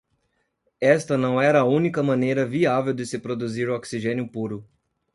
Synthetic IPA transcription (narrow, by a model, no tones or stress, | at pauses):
ɛst̪ɐnɐ̃w̃ɛɾɐːũnikɐmɐ̃nejɾɐviavewd̪ɪsɪpɾod̪uziɾɔksiʒẽnjʊpuɾʊ